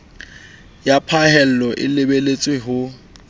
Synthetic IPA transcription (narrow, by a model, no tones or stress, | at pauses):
japʰaɦɛl̩lɔʔɪ̰lebelet͡sʼweɦʊ